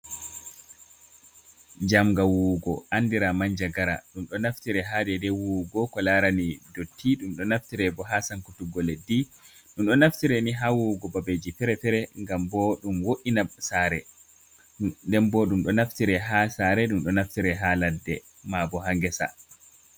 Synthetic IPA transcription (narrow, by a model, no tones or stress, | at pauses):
d͡ʒamɡawuɡɔʔandiɾamaɲd͡ʒaɡaɾa̰ɗumɗɔnaftiɾɛɦadɛdɛwuɡɔkɔlaɾanidotʰːiɗumɗɔnaftiɾɛbɔɦasaŋkutuɡɔledi | ɗumɗɔnaftiɾɛniɦawuɡɔbabed͡ʒifɛɾɛfɛɾɛŋɡambɔɗumwoʔinasaɾɛ | ndɛmbɔɗumɗɔnaftiɾɛɦasaɾɛɗumɗɔnaftiɾɛɦaladːɛ | mabɔɦaŋɡɛsa̰